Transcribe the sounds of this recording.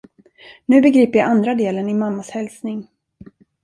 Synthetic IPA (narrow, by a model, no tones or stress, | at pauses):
nʉ̟ːbɛɡɾiːpəɾjaʔand̪ɾad̪eːlənɪmamːashɛlsnɪŋ